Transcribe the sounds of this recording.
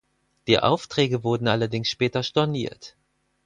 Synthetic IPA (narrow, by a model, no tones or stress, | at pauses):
d̥iːʔa̰ʊftʁ̥ɛːɡəvʊɐdn̩ʔalɐdɪŋsʃpɛːtɐʃtɔɐnḭːɐt